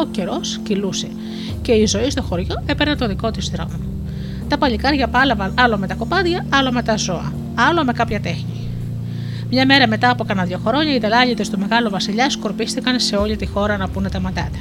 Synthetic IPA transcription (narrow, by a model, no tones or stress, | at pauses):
oce̞ɾo̞sciluse̞ | ce̞izo̞ist̪o̞xo̞ɾʝo̞e̞peɾɐnt̪o̞ðiko̞t̪izðɾo̞̰mo | t̪ɐpɐʎikɐɾʝɐpɐlɐvɐnɐlome̞t̪ɐko̞pɐðʝɐɐlo̞me̞t̪ɐzo̞ɐ̰ | ɐlo̞me̞kɐpçɐt̪e̞xɲi | mɲɐme̞ɾɐme̞t̪ɐːpokɐnɐðʝo̞xoɾo̞ɲɐiðelɐʎit̪est̪ume̞ɣɐluvɐsiʎɐsko̞ɾpisθikɐnse̞o̞ʎit̪ixo̞ɾɐnɐpunet̪ɐmɐt̪ɐ̰t̪e̥